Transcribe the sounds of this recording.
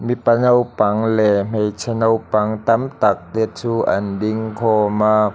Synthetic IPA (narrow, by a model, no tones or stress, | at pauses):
mipanowpɐŋlɛm̥ejt͡sʰɛnowpɐŋt̪ɐmt̪ak̚liət̪̚t͡suʔa̰ndiŋkʰɔma